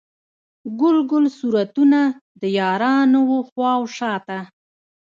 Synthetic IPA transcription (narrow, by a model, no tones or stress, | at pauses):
ɡʊlɡʊlsuɾat̪unad̪əjɑɾɑnowoxwɑwʃɑt̪a